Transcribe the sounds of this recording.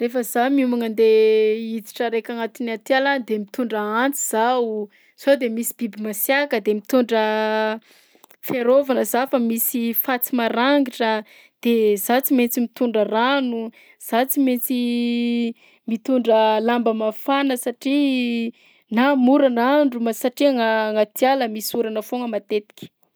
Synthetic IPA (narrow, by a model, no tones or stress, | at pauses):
refəzamiumaŋənd̪eid͡z̪i̥ʈ͡ʂəɾekʲaŋat̪inat̪aland̪emit̪uɳɖ͡ʐəant͡siz̥aw | z̥od̪emisibibimasjakəd̪emit̪uɳɖ͡ʐə | feɾovanəzafamisifat͡simaɾaŋɡiʈ͡ʂə | d̪̥ezat͡siment͡simit̪uɳɖ͡ʐəranu | z̥at͡siment͡si | mit̪uɳɖ͡ʐəlambəmafanəsaʈ͡ʂi | namuɾanaɳɖ͡ʐumasaʈ͡ʂiaŋaŋat̪jaləmisuɾanəfoŋəmat̪et̪i̥kʲi̥